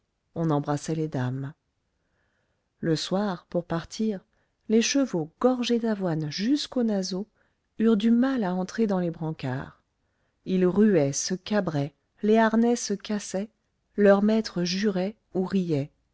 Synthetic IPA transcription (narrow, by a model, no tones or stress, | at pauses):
ɔ̃nɑ̃bʁasɛled̪am | ləswaʁpuʁpaʁt̪ʰiʁ | leʃəvoɡ̥ɔʁʒed̪avwanʒyskonazo | yʁd̪ymalaɑ̃t̪χed̪ɑ̃lebʁɑ̃ka̰ʁ | ilʁyɛsəkabʁɛ | leaʁnɛsəkasɛ | lœʁmɛt̪χəʒyʁɛ | uʁijɛ